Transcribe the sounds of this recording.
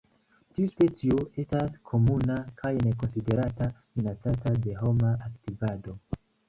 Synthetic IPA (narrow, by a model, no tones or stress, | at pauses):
tiuspe̞t͡sioe̞staskʰo̞munakʰajne̞ko̞nside̞ɾatafinat͡satade̞ɦo̞maʔaktivado̞